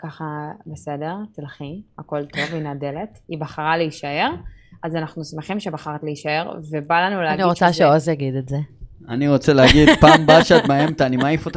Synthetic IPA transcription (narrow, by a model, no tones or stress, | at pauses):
kaχabese̞de̞ʁt̪ilχiako̞ltʰo̞vinade̞le̞tibaχaʁaleiʃae̞ʁazanaχnusmeχimʃebaχaʁtleiʃae̞ʁvebalanuleaɡniʁot͡saʃeozjaɡid̪etze | aniʁot͡seleaɡid̪paːmbaʃeat̪maemt̪animaifot̪